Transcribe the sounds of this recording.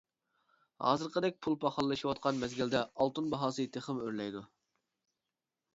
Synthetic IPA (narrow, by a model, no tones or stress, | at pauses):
hɑ̰ːzɨɾqəd̪ɛk̚ʲpʰulˠpʰɑχɑlˠːɨʃiwɑt̪̚qʰɑnmɛzɡʲild̪ɛɑlˠt̪unbɑɦɑːsɨt̪ʰeχəmøɾlɛjd̪u